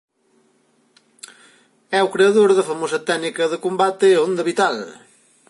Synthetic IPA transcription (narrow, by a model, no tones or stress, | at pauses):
ɛukɾeɐðoɾðɐfɐmosɐt̪ɛnikɐðəkombat̪ɪõnd̪ɐβit̪al